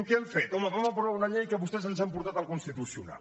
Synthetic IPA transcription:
mkeɛɱfɛt̪ɔməβamap̬ɾaunaʎejkəβust̪ɛz̬ənsampuɾt̪at̪əlˠkunst̪it̪usiṵna̰l

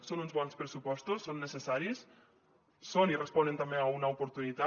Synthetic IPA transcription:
sonunzβɔnspɾəsupɔst̪usːonːəsəsaɾisː | onirəspɔnənt̪ambeaunɐupuɾt̪unit̪a

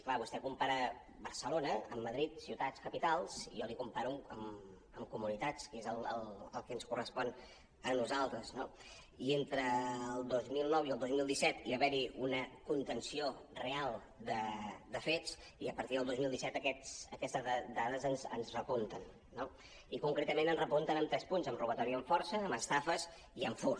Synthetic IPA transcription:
klaβust̪ɛkumpaɾə | bəɾsəlonəəmːəðɾit̪siwt̪at͡skəpit̪alˠz̥ḭjɔlikumpaɾuəəm | əmkumunit̪at͡skezəlˠə̰lˠəlˠkɛnskurəspɔn | ənuzalˠt̪ɾəzno | ient̪ɾəːlˠd̪ozmilˠnɔwiəlˠd̪ozmilˠd̪isɛt̪iβəβɛɾiunəkunt̪ənsiorealˠ | d̪əd̪əfet͡s | iəpəɾt̪iðəlˠd̪ozmilˠd̪isɛt̪əkɛsəkɛst̪əzd̪aðəzənzə̰nzrəpunt̪ənː | o | ikuŋkɾet̪əmẽnənzrəpunt̪ənəmt̪ɾɛspunzəmruβət̪ɔɾiəɱfɔɾsəːməst̪afəs | iəɱfu

